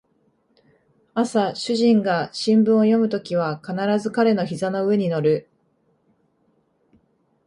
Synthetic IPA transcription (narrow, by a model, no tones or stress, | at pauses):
asaɕɨʑĩŋɡaɕĩmbɯ̟̃ɰ̃o̞jo̞mɯ̟t̪o̞kʲiβ̞akanaɾazɨkaɾe̞no̞çizano̞ɯ̟e̞ɲ̟ino̞ɾɯ̟